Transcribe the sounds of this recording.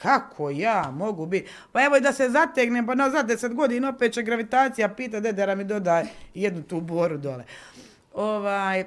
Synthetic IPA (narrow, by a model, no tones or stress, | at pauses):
kakʰojaːmo̞ɡubit̪ʲ | pae̞ʋoid̪asezat̪eɡnempanazad̪d̪eset̪ɡo̞d̪iːnaopet̪̚t͡ʃeɡɾaʋit̪aːt̪sijapiːt̪̬at̪d̪ed̪aɾamid̪o̞d̪ajjed̪nut̪uːboːɾud̪ole | o̞ʋaːj